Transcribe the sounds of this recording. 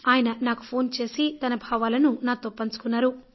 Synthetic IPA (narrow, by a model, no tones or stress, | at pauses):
aːjɐnɐnaːku̥pʰo̞ːnt͡ʃe̞ːsit̪ɐnɐbʱaːʋaːlɐnunaːt̪opːɐnt͡ʃu̥kunːaːɾu